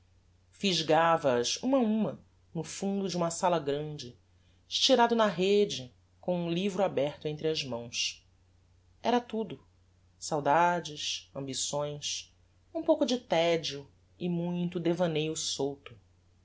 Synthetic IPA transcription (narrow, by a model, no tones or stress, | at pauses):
fiʒɡavɐːzṵ̃mɐũmɐ | nʊfũnd̪ʊd͡ʒɪũmɐsalɐɡɾɐ̃d͡ʒɪ | ʃt͡ʃiɾad̪ʊnɐɦed͡ʒɪ | kõũlivɾʊabɛχt̪ʊẽnt̪ɾɪɐzmɐ̃w̃s | ɛɾɐt̪ud̪ʊ | sawd̪ad͡ʒɪsɐ̃mbisõj̃s | ũpowkʊd͡ʒɪt̪ɛd͡ʒiʊ | ɪmũj̃t̪ʊd̪evɐ̃nejʊsowt̪ʊ